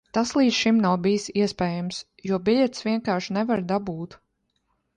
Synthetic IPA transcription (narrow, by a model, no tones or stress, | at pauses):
t̪aslˠiːd̪ʃimnawbijsiɛspɛːjams | juɔbʲiʎʲɛt̪sʋʲiɛŋkaːɾʃnɛvaɾd̪abuːt̪